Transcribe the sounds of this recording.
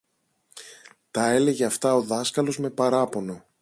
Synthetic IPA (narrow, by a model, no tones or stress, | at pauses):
t̪ɐe̞le̞ʝeɐft̪ɐo̞ðɐskɐlo̞zme̞pɐɾɐpo̞no̞